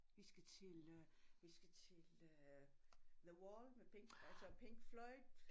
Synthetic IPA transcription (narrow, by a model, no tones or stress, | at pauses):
ʋisɡ̥æt͡sʰe̝lʋisɡ̥æt͡sʰe̝lø | ðəwɔːlmepʰeŋɡ̥ælsəpʰeŋɡ̥flɒɪd̥